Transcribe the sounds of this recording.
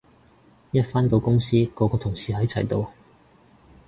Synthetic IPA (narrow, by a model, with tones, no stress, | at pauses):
jɐ˥t̚faː˥nt̪o˨˧wkʊ˥ŋsiː˥kɔː˨˧kɔː˧t̪ʰʊ˨˩ŋsiː˨ɦɐ˨˥jt͡sʰɐ˨˩jt̪o˨w